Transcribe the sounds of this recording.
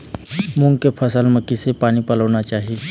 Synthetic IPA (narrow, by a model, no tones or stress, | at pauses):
mʊ̃ŋɡkepʰəsəlməkːisepaːnipələʋnat͡ʃaːɦie